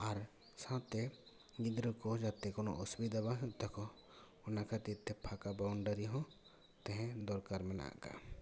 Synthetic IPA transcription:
aɾ | sãt̪ɛ | ɡid̪ɾɔkɔd͡ʒat̪ɛkɔnɔ̰ʔɔsbid̪abaɦũt̪akɔ | ɔnakʰat̪it̪ʰːɛpʰakabawɳɖaɾiɦɔ̃ | t̪ɛ̃ɦɛ̃d̪ɔɾkaɾmɛna̰ka̰

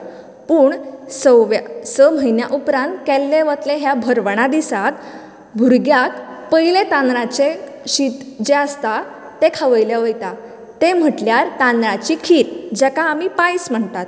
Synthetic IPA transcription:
puːɳsəwʋjasəm̤əjnjaʔupɾãnt̪kɛlːeʋət̪leɦjabʱəɾʋəɳ̃ad̪isat̪ | bʱuɾɡjak̚pəjlet̪ãnɾãt͡se | ɕit̪d͡ʑeəst̪a | t̪ekʰaʋəjljaʋəjt̪a | t̪em̤əʈljaɾt̪ãnd̪ɾat͡ɕikʰiːɾd͡ʑɛkaːmipajsm̤əɳt̪at̪

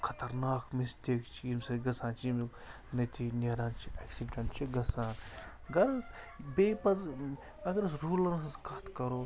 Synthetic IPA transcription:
kʰɐt̪ɐɾnaːkmist̪ikt͡ʃʰiimsɐɡɐsãːnt͡ʃʰim | nɐt̪ʰineɾaːnt͡ʃʰieksiɖɐɳʈt͡ʃʰiɡɐsaːn | ɡɐɾ | bepɐz | ɐɡɐɾsɾuːlɐnɐsɐskɐt̪kɐɾoː

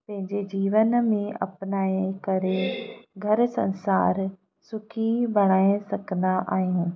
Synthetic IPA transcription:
pɐ̃ɦɪ̃ɲd͡ʑed͡ʑiːʋənmẽʔɐ̰pnaːekɐɾeɡʱɐɾsɐ̰̃nsaːɾ | sʊkʰibɐɽ̃aːẽsɐkʰə̃nd̪aʔaːɦijũː

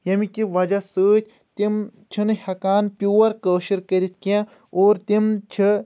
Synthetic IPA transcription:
jɐmikʲiʋɐd͡ʒɐsəːt̪̚ʰʲ | t̪im | t͡ʃʰinɨhɐkaːnpʲjuːɐɾkəːʃiɾkəɾʲit̪̚ʰkiã | oːɾt̪imt͡ʃʰi

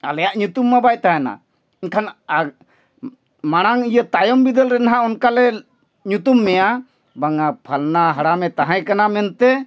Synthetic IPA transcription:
a̰lɛjaʔɲut̪umːabajt̪aɦɛna̰ | inkʰana | maɽ̃aŋijət̪ajɔmbid̪əlɾɛnɦãɔnkalɛ | ɲut̪umːɛja | baŋapʰalnaɦaɽamɛt̪aɦãjkanamɛnt̪ɛ

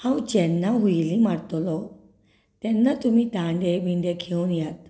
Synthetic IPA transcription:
hãwt͡ɕɛnːaɦujilimaɽt̪lɔ | t̪ɛnːat̪umiːt̪ãɳɖeʋiɳɖ̪ekʰewnjat̪̚

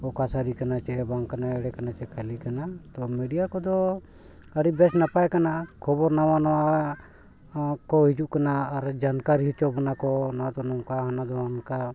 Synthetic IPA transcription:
ɔkasaɾikanat͡ʃɛbaŋkkanaɛɽɛkanat͡ʃɛkʰalikanat̪ɔmɛɖijakɔd̪ɔ | əɽibɛsnapajkanakʰɔbɔɾnawanɔwa | kɔɦid͡ʒuʔkanaːɾd͡ʒankaɾiɦit͡ʃɔbɔnakɔnad̪ɔnɔŋkaɦanad̪ɔanka

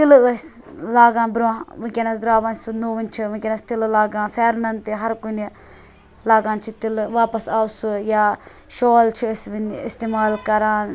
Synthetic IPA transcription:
t̪ilɐs | laːɡãːnbɾãʋɨ̃kʲenɐsd̪ɾaːʋɐnsunoːʋinʲt͡ʃʰiʋɐkʲenɐst̪illaːɡãːnfʰɛːɾnɐnt̪iɦɐɾkuni | laːɡãːnt͡ʃʰit̪ilʋaːpɐsaːwsujaː | ʃoːlt͡ʃʰisʋinist̪eːmaːlkɐɾaːn

